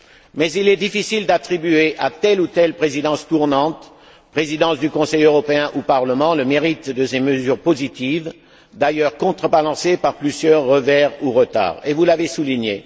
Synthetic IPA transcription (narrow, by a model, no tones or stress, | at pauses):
mɛzilɛd̪ifisild̪at̪χibyeʔat̪ɛlut̪ɛlpχezid̪ɑ̃st̪uʁnɑ̃t̪ | pχezid̪ɑ̃sd̪ykɔ̃sɛjøʁɔpeɛ̃ʔupaʁləmɑ̃ləmeʁit̪d̪əseməzyʁpozit̪iv | d̪ajœʁkɔ̃t̪χəbalɑ̃sepaʁplyzjœʁːəvɛʁuʁət̪a̰ːʁevulavesuliɲe